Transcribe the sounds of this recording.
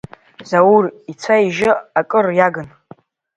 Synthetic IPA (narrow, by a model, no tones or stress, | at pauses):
zawurit͡sʷʰaiʒɪakʼɨrjaɡɨn